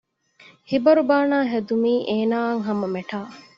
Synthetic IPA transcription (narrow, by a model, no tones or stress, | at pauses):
hibɐɾubaːnaːɦed̪umiːʔeːnaːɐŋɦɐmɐmeʈaː